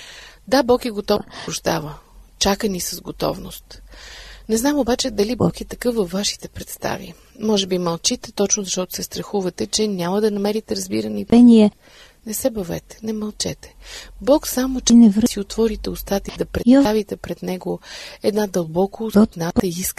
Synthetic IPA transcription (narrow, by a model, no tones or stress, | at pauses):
d̪abɔkɛɡot̪ɔpɾʊʒd̪a̰vət͡ʃakənisɐzɡot̪ɔ̰vnʊ̰st̪ | nɛznamobat͡ʃɛd̪ɐlibɔkɛt̪ɐkɤfvəfvːaʃi̥t̪ɛpɾɛt̪st̪a̰vḭ | mɔʒɛbimɐlˠt͡ʃit̪ɛt̪ɔt͡ʃnoʊzɐʃt̪ɔt̪ʊ̥sɛst̪ɾɐxuvɐt̪ɛt͡ʃɛnʲaməd̪ɐnɐmɛɾit̪ɛɾɐzbiɾəniɛniɛ | nɛsɛbɐvɛ̰t̪ɛ̥nɛmɐlˠt͡ʃɛ̰t̪ɛ̥bɔksamot͡ʃɛnɛvɾsiot̪vɔɾit̪ɛost̪at̪id̪ɐpɾɛt̪avit̪ɛpɾɛd̪nɛɡoɛd̪nad̪ɐlˠbɔkot̪nat̪ɐisk